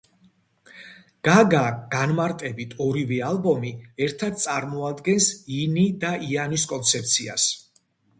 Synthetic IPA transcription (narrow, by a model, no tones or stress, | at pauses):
ɡ̥aɡaɡ̥anmaɾt̪ʼɛbit̪ʰɔɾivɛalˠbɔmiɛɾt̪ʰad̪̚t̪sʼaɾmɔad̪ɡɛnsinid̪aianiskʼɔnt̪sʰɛp̚t̪sʰia̰s